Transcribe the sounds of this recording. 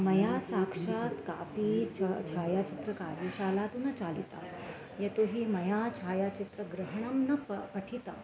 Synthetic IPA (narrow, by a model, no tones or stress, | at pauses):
mɐjasakʂat̪kapit͡ʃʰaːjat͡ʃit̪ɾəkaɾjiɕalat̪unɐt͡ɕalḭt̪a̰ | jet̪oɦiːmɐjat͡ʃʰaːjat͡ɕit̪ɾəɡɾəɦɳ̃ɐmnɐpɐʈʰit̪a̰